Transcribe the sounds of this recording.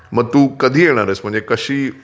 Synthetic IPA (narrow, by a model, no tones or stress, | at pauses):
məɡ̚t̪uːkəd̪ʱiːjeɽ̃aɾəsm̤əɳd͡zekəɕiː